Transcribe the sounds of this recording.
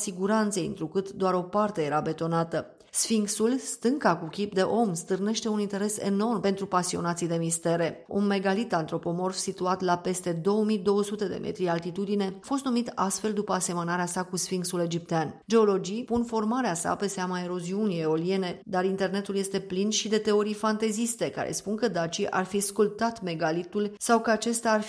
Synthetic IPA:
siɡuɾant̪seḭnt̪ɾukɨt̪d̪oaɾo̞part̪eje̞ɾabe̞t̪o̞nat̪ə | sfiŋksulst̪ɨŋkakukʲip̚d̪e̞ʔo̞mst̪ɨrne̞ʃt̪e̞unint̪e̞ɾe̞sḛno̞rmpe̞nt̪ɾupasio̞nat̪sijd̪e̞mist̪e̞ɾe̞ṵnmːe̞ɡalit̪ant̪ɾo̞po̞mo̞rfsit̪uat̪lape̞st̪e̞d̪o̞wəmid̪o̞wəsut̪e̞d̪e̞̰mʔe̞̰t̪ɾialt̪it̪ud̪ine̞afo̞st̪numit̪ast̪fe̞ld̪upəase̞mənaɾeasakusfiŋksule̞d͡ʒip̚t̪eand͡ʒe̞o̞lo̞d͡ʒijpunfo̞rmaɾeasa̰pe̞seamae̞ɾo̞ziunijeo̞lie̞ne̞d̪aɾint̪e̞rne̞t̪ulje̞st̪e̞plinʃid̪e̞t̪e̞o̞ɾifant̪e̞zist̪e̞ka̰ɾḛspunkəd̪at͡ʃiʔa̰rfiskult̪at̪me̞ɡalit̪ulsawkəat͡ʃe̞st̪aːr

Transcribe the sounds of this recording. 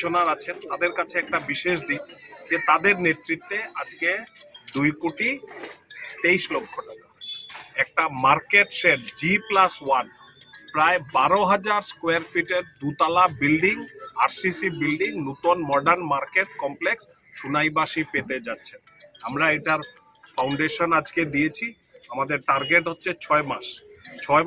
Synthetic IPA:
onaɾat͡ɕʰent̪ad̪eɾkat͡ɕʰeɛk̚ʈabiʃeʃd̪ind͡ʑet̪ad̪eɾnet̪ːɾit̪ːead͡ʑked̪ujkoʈi | t̪ejʃlokʰːoʈakaɛk̚ʈamaɾkeʈʃeɖd͡ʑiplaswan | pɾaebaɾoɦad͡ʑaɾskoeaɾfiʈeɾd̪ut̪alabilɖiŋaɾsisibilɖiŋnot̪onmɔɖaɾnmaɾkeʈkɔmpleks | ʃunajbaʃipet̪ed͡ʑatːʰenamɾaeʈaɾ | fawɳɖeʃonad͡ʑked̪iet͡ɕʰi | amad̪eɾʈaɾɡeʈɦotːɕʰet͡ɕʰɔemaʃt͡ɕʰɔe

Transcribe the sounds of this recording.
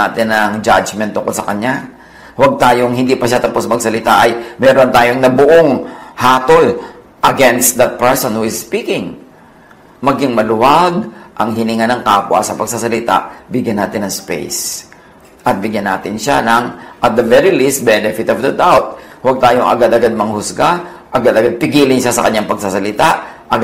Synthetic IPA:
aːt̪ɪnɐŋd͡ʒad͡ʒmɛnt̪ːʊŋkolsɐkɐɲa | wɐɡ̚t̪aːjoŋhɪnd̪iːpɐʃat̪ɐposmɐɡsɐlɪt̪aʔɐjmɛːɾont̪aːjoŋnɐbʊʔoŋhaːt̪ol | ʔɐɡɛnst̪̚d̪ɐt̪̚pɛɹsonhuɪsspiːkɪŋ | mɐɡɪŋmɐlʊwaɡ̚ʔɐŋhɪnɪŋanɐŋkaːpwʔɐ̰sɐpɐɡsasɐlɪt̪a̰ʔbɪɡjɐnːaːt̪ɪnɐŋspḛjs | ʔɐt̪̚bɪɡjanːaːt̪ɪnʃa̰nɐŋʔɐt̪̚d̪ɐvɛɾilist̪̚bɛnɛfɪt̪ɔvd̪ɐd̪awt̪̚wɐɡ̚t̪aːjoŋʔɐ̰ɡad̪ɐɡad̪̚mɐŋhʊsɡa | ʔɐɡad̪ɐɡad̪̚pɪɡiːlɪnʃasɐ̰kɐɲaŋpɐɡ̚sasɐlɪt̪aʔʔɐɡ

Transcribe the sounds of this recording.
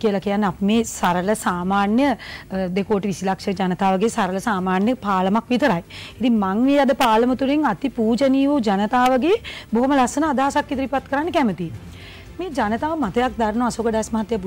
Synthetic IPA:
kiəlakijanːəapimeːsaɾələsaːmaːnjəd̪ekoːʈiʋisilakʂəd͡ʒanət̪aːʋəɡeːsaɾələsaːmaːnjəpaːləmakʋit̪əɾajit̪iŋmaŋmeːad̪əpaːləmət̪uɾeŋat̪ipuːd͡ʒəniːʋud͡ʒanət̪aːʋəɡeːboɦoməlasənaːd̪aːasakːit̪əɾipat̪kəɾanːəkæmət̪i | meːd͡ʒanət̪aːʋəmat̪ɐjak̚d̪aɾnoasoɡədaːsmaɦat̪jabu

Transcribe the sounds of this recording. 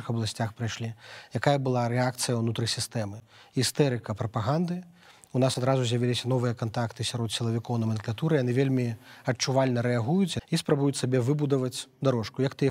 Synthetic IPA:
ɨxɐblˠasʲt͡sʲaxpɾajʂlʲijakajɐbɨlˠaɾɛak̚t̪sɨjɐwnut̪ɾɨsʲist̪ɛmɨ | ist̪ɛɾɨkɐpɾɐpaɣand̪ɨ | unasad̪ɾazuzʲjɐvʲilʲisʲɐnɔvɨjɐkant̪akt̪ɨsʲaɾɔt̪sʲilˠɐvʲikɔwnɐmʲɐnklʲˠat̪uɾɨjanɨvʲelʲmʲiɐt͡ʂːuvalʲnɐɾɛaɣujut͡sʲispɾabujut͡sʲsabʲɛvɨbud̪ɐvɐt͡sʲd̪aɾɔʂkujɐkt̪ɨ

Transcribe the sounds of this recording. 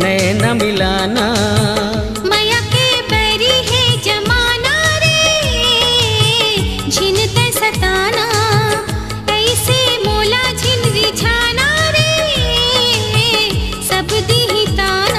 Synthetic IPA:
nɛnɐmɪlaːna | mɐjãkebɐɾiɦed͡ʒɐmaːnaɾe | d͡ʒʱint̪esɐt̪aːna | ɐisemoːlad͡ʒʱɪnɾit͡ʃʰaːnaɾe | sɐbd̪iɦĩt̪aːna

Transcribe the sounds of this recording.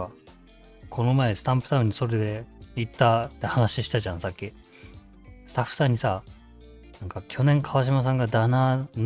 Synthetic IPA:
kʰo̞no̞mae̞sɨ̥t̪ãmpɯ̟t̪aɯ̟̃ɲ̟ːiso̞ɾe̞d̪e̞it̪ːat̪ːe̞hanaɕiɕi̥t̪aʑãsakʲːi | sɨ̥t̪aɸːɯ̥sãɲ̟ːisa | nãŋkakʲʰo̞nẽ̞ŋkʰaβaɕ̬imas̬ãŋɡad̪anan

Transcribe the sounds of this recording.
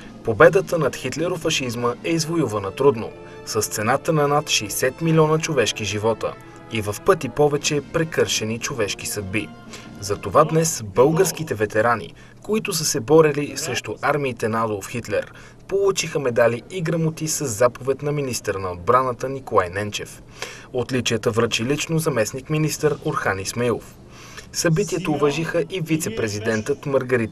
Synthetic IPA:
pobɛd̪ət̪ənɐt̪xit̪lɛɾofɐʃizməɛizvojuvɐnət̪ɾud̪no̰ | sɐst̪sɛnat̪ənɐnat̪ʃɛjsɛt̪milʲiɔnət͡ʃovɛʃk̟iʒivɔt̪ə̰ | ivɐfpɤt̪ipɔvɛt͡ʃɛpɾɛkɤɾʃɛnit͡ʃovɛʃk̟isəd̪̚bi | zɐt̪ovad̪nɛsbɤlˠɡəɾsk̟it̪ɛvɛt̪ɛɾanḭ | koit̪ʊs̬əsɛbɔɾilisɾɛʃt̪ʊʔaɾmiːt̪ɛnaad̪olˠfxit̪lɛ̰ɾ | polˠut͡ʃixəmɛd̪aliiɡɾəmot̪isəzːapovɛt̪nɐminist̪əɾnɐod̪̚bɾanət̪ənikolˠajnɛnt͡ʃɛf | ot̪lit͡ʃijət̪əvɾət͡ʃilit͡ʃnozɐmɛsnikminist̪əɾoɾxanismɛlˠo̰f | sɐbit̪iət̪oːvaʒixəʔivit̪sɛpɾɛzid̪ɛnt̪ət̪məɾɡɐɾit̪

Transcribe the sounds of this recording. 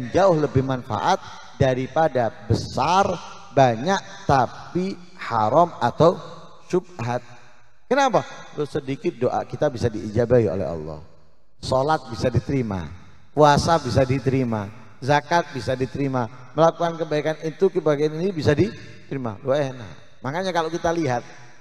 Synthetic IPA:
ənd͡ʒaʊhləbɪhmanfa̰ʔat̪̚ | daɾipadabəsar | baɲaʔ | t̪api | haɾɔmat̪aw | ʃub̚ɦat̪̚ | kənapa | losədikɪt̪̚doʔa̰kit̪abisadiːd͡ʒabaio̰lɛ̰ɦɔ̰lːɔ̰h | sɔlat̪̚bisadit̪əɾima̰ | kuasabisadit̪əɾima | zakat̪̚bisadit̪əɾima | məlakukankəbaikanit̪ukəbaɡaninibisadi | t̪əɾima̰luɛna̰ | makaɲakalokit̪aliɦat̪̚

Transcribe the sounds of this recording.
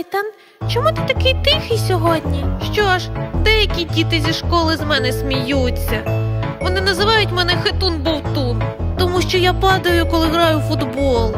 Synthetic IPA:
t̪ɑn | t͡ʃɔmut̪ɪ̥t̪ɐkɪjt̪ɪxɪsʲɔɦɔdʲnʲiʃt͡ʃɔɐʒd̪ɛjɐkʲidʲit̪ɪzʲiʃkɔlˠɪzmɛnɛsʲmʲijut͡sʲːɐʋɔnɪnɐzɪʋɑjʊtʲmɛnɛxɪt̪unbɔwt̪unt̪ɔmuʃt͡ʃɔjapɑd̪ɐjʊkɔlˠɪɦɾɑjʊfʊd̪bɔlˠ

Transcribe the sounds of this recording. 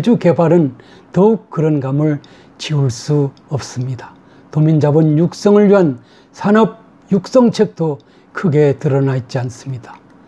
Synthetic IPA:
ed͡ʑuke̞baɾɯn | tʌuk̚k͈ːɯɾʌnɡamɯɭ | t͡ɕiuɭs͈uʌp̚s͈ɯmɲidḁ | tomind͡ʑabɯnjuk̚s͈ʌŋɯɭjiɦan | sʰanʌb̚ | juk̚s͈ʌŋt͡ɕʰek̚t͈o | kʰɯɡe̞tɯɾʌnait̚t͡ɕ͈ians͈ɯmɲid̥ḁ

